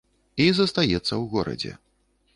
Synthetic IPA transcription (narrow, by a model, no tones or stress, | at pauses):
izɐst̪ajɛt̪sːɐwɣɔɾɐ̰d͡zʲɛ̰